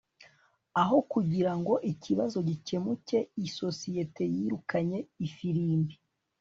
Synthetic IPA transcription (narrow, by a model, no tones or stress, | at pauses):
aɦo̞kuɟiɾaŋɡo̞ʔicʰiβazo̞ɟice̞muce̞iso̞sije̞te̞jiɾukaɲe̞ifiɾiːmbi